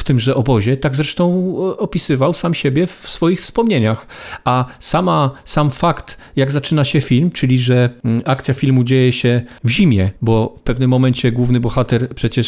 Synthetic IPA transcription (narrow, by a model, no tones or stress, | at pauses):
ft̪ɘmʐɛʔɔbɔʑɛt̪aɡzɾɛʂt̪ɔ̃w̃ɔpʲisɘvawsamɕebʲjɛfsfɔjixfspɔmɲeɲaxasamasamfakt̪ | jaɡzat͡ʂɘnaɕɛfʲilmt͡ʂɘlʲiʐɛak̚t̪sʲjafʲilmud͡ʑejɛɕɛvʑimʲjɛbɔfpɛvnɘmːɔmɛɲt͡ɕɛɡwuvnɘbɔxat̪ɛɾpʂɛt͡ɕɛʂ